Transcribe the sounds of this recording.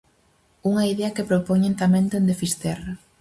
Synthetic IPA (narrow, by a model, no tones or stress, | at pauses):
uŋɐiðeɐkepɾopoɲẽnt̪amẽnd̪end̪efist̪ɛra